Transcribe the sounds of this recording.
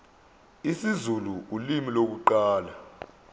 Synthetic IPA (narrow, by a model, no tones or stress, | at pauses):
isizuluulimilok̬uǃaːla